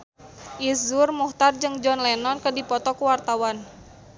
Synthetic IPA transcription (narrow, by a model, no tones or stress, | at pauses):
ʔizʊrmuht̪ard͡ʒɨŋd͡ʒɔnlɛnɔnkədipɔt̪ɔkuwart̪awan